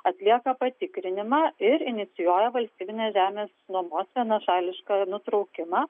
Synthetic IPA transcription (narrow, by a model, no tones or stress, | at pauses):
ɐt̪ʲlʲiɛkɐpɐt̪ʲɪkɾʲɪnʲɪmɑːɪɾɪnʲɪt̪sʲɪjuːjɛʋɐlʲsʲt̪ʲiːbʲɪnʲeːʒʲæːmʲeːsnuɔmoːsʋʲiɛnɐʃɑːlʲɪʃkɑnʊt̪ɾɒʊkʲɪmɑː